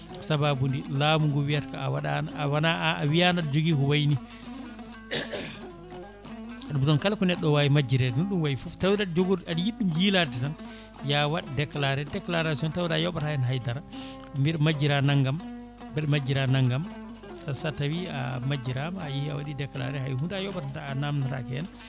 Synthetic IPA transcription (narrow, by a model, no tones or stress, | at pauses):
sababundilamuŋɡɔwijatkawaɗawanaaːwijanadd͡ʒoɡikɔwajni | ɗumɗɔnkalkɔnɛɗːɔwaːjimad͡ʒːiɾɛnunɗumwajifuftawidad͡ʒoɡuɾadjiɗːumjiːladitan | jawaɗidɛklaɾɛdɛklaɾasiɔntawiɾajɔɓatajɛnɦajdaɾa | mbiɾmad͡ʒiɾanaŋɡam | bɛɾmad͡ʒiɾanaŋɡam | tasatawia̰mad͡ʒiɾamaːjihia̰waɗidɛkla̰ɾɛhajhundajɔɓatataːnamnaɾa̰kɛɛn